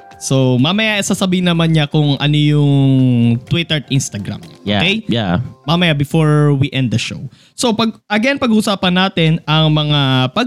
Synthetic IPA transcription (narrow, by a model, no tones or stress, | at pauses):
so̞mamɐjaʔɪsasɐbihɪnɐmanɲakʊŋʔɐ̰nojʊŋt̪wɪt̪ɛɹinst̪ɐɡɾa̰mooakejjamamɐjabɪfoɹwiʔɛ̃nd̪̚d̪ɐʃo̰w | sopɐɡ̚ʔɐɡɛnpɐɡuʔʊsaːpɐnːaːt̪ɛnɐŋmɐŋapɐ